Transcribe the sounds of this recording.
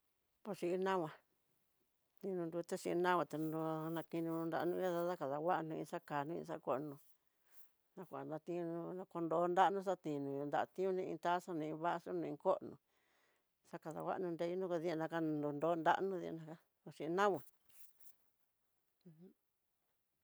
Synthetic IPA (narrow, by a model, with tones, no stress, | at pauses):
po˧ʂi˧i˧nã˦wʷã˧ | t̪ĩ˧nũ˧nd̪u˧t̪e˦ʂi˧ʔnã˦wʷã˧t̪a˨u˧nã˧ki˧nĩ˧ũ˧nd̪a̰˧ʔnũ˧˦a˦ða˧ða˦ka˨ða˨wa˦ʔnũ˧ḭ̃˧ʂa˦ka˨nũ˦ḭ̃˧sa˦˧ko˧ʔnũ˧ | nã˧kʷa˨nã˧t̪ĩ˧ũ˧nũ˧nã˧ko˧nd̪o˧˦nd̪a˦nũ˦ʂ̬a˦t̪ĩ˨nũ˨õ˧nd̪a˧ʔt̪ĩ˦ũ˧nĩ˦˧ḭ̃˧t̪a˦ʂa˦nũ˧ĩ˧βa˦ʔʂo˦nũ˧ĩ˧ko˦ʔnũ˨ | sa˦ka˨˧ða̰˨wʷa̰˦ʔnũ˧nd̪e˧˦i˦nũ˦ko˧ði˧˦a˧nã˧ka˦˧nd̪u˧nd̪o˨˦nd̪a̰˦ʔnũ˦ðḭ˧nã˧ka˦ | po˧ʂĩ˧ʔi˧nã˦wʷã˨˧ | h